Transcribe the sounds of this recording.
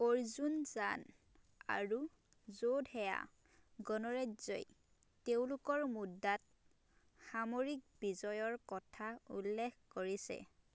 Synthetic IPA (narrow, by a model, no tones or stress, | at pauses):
oɹzunzan | a̰ɹu | zodhɛja̰ | ɡɔnɔɹazɔ̰j | tew̃lʊkɔɹmudːat̚ | xamoɹik̚bizɔjɔɹkɔtʰaulːekkoɹisɛ̰